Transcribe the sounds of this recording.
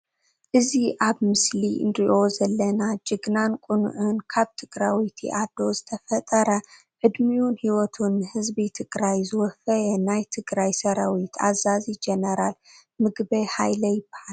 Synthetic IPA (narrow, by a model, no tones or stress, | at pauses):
ʔɨziʔaβmɨslḭnɾiʔo̞zɐlːɐnad͡ʒɨɡnankʼunṵʔɨnkʰaβt̪ʰɨɡɾawit̪ʰḭʔad̪o̞zɨt̪ʰɐfɐt̪ʼɐɾɐ | ʕɨd̪miunhiwɔt̪ʰunːɨhɨzbit̪ʰɨɡɾajzɨwɔfɐjɐnajt̪ʰɨɡɾajsɐɾawit̪ʰa̰zazid͡ʒenɐɾalmɨɡbɐjhajlɐjɪbːḁhal